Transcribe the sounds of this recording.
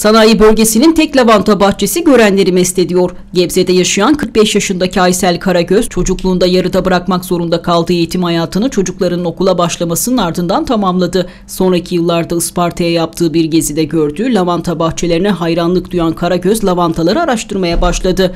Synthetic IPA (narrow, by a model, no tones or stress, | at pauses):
sanaːjibø̞lʲɟe̞sinint̪ʰɛclʲavant̪ʰabaxtt͡ʃʰe̞siɟø̞ɾænlʲe̞ɾimɛst̪ʲe̞d̪ijo̞ɾ | ɟɛbzed̪ɛjaʃɯjankʰɯɾk̚bɛʃjaʃɯnd̪acʰiajsælʲkʰaɾaɟøz̥t͡ʃʰo̞d͡ʒuklˠuːnd̪ajaɾɯd̪abɯɾakmakzo̞ɾund̪akʰalˠd̪ɯːe̞jit̪ʰimhajaːt̪ʰɯnɯt͡ʃʰo̞d͡ʒuklˠaɾɯnɯno̞kulˠabaʃlˠamasɯnɯnaɾd̪ɯnd̪ant̪ʰamamlˠad̪ɯ | so̞nɾaicʰijɯlˠːaɾd̪aɯspaɾt̪ʰajɛjap̚t̪ʰɯːbiɾɟe̞zid̪ɛɟøɾd̪yːlʲavant̪ʰabaxt͡ʃʰe̞lʲe̞ɾinɛɦajɾanlˠɯkd̪ujankʰaɾaɟøzlʲˠavant̪ʰalˠaɾɯaɾaʃt̪ʰɯɾmajabaʃlˠad̪ɯ